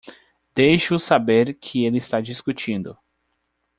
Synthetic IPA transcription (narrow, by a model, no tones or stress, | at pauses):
d̪̥ejʃʊsabeɾkʰɪelɪːst̪ad͡ʒiskut͡ʃĩnd̪ʊ